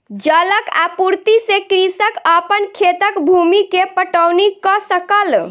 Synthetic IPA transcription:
d͡ʒələka̰puɾt̪isekɾisəkəpənkʰet̪əkbʱumikepəʈəwnikɔsəkəl

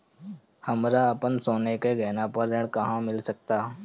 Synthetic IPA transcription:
hɐmɾaɐpənsoːnekeɡɛːnapəɾːeɽ̃kɐɦãmɪlsək̚t̪aː

